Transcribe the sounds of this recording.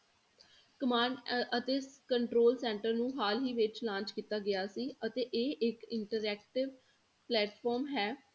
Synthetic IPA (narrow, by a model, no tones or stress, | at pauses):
kəmaːnət̪eːskəɳʈɾoːlsɛ̃ːɳʈəɾnũːɦaːlɦiːʋɪt͡ʃlãːɲt͡ʃkiːt̪aːɡɪjaːsiːət̪eːʔeːʔɪkɪɳʈəɾɛːk̚ʈɪʋ | plɛːʈfɔːɾmɦɛː